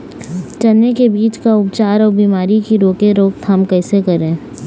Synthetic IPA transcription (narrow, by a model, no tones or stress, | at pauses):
t͡ʃɐlnekebiːt͡ʃkaʊpt͡ʃaːɾɔːɾbiːmaːɾikiɾoːkeɾoːk̚t̪ɦɐmkɛːsekɐɾẽː